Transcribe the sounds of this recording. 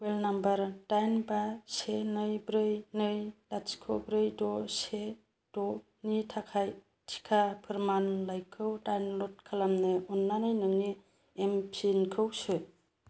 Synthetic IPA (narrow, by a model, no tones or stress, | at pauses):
welnambɐɾdajnbasenɯjbɾɯjnɯjlat͡ʃkʰobɾɯjdɔse | d̥ɔ | nitʰakʰaj | tʰi̥kʰapʰɯɾmanlajkʰɯwdajnlɔt̚kʰalamnɯɔnːanɯjnɯŋni | empʰinkʰɯwsɯ